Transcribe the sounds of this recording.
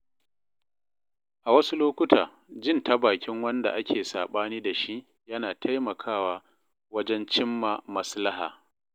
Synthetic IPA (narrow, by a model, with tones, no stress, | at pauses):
ʔa˨wɐ˦su˦loː˦kʷʊ˦tʰa̰ː˨ | d͡ʒɪ˦˨nta˦baː˨kʲɪ˦ŋwɐ˦nda̰˨ʔa˦kʲeː˨saː˨ɓaː˦niː˦da˨ʃi˦ʔ | jɐ˦naː˨tʰa˦jmɐ˨kʰaː˦˨waː˦ | wɐ˦d͡ʒɛ˦nt͡ʃɪ˦mːa˨mɐ˦sla˦ha̰ː˨